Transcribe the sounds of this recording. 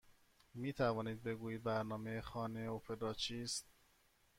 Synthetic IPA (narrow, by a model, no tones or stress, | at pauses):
miːt̪ʰævɒːniːd̪̚be̞ɡuːjiːd̪̚bæɾnɒːmejexɒːne̞ofʰed̪ɾɒːt͡ʃʰiːst̪̚